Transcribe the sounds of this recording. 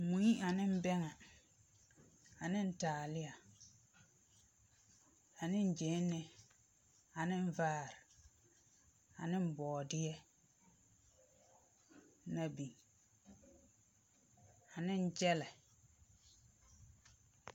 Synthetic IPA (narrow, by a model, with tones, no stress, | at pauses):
mu˨i˦a˨nɪ˦m̩˦bɛ˦ŋa˨ | a˨nɪ˦n̩˦taː˨lɪ˦ja˨ | a˨nɪ˦n˦d͡ʒe˨˦nːɪ˦ | a˨nɪ˦ɱ˦vaː˦˨ɾɪ˨ | a˨nɪ˦m̩˦bɔː˨dɪ˦jɛ˦ | na˦bi˨ | a˨nɪ˦n˦d͡ʒɛ˦lɛ˨